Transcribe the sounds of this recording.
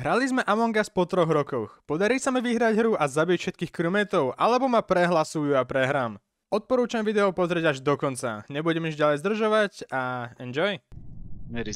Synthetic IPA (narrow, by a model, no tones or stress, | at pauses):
ɦɾalizmɛʔamɔŋɡaspɔt̪ɾɔɣɾɔkɔxpɔd̪aɾiːsamiʋiɦɾaɟɦɾuʔazabicfʃɛt̪kiːxkɾumɛt̪ɔʊʔa̰lɛbɔmapɾɛɦlasujuapɾɛɦɾaːm | ɔt̪̚pɔɾuːt͡ʃamʋid̪ɛɔpɔzɾɛɟaʒd̪ɔkɔnt͡sa̰ɲɛbuɟɛmiʒɟalɛjzd̪r̩ʒɔʋaɟaɛnd͡ʒɔj | mɛɾi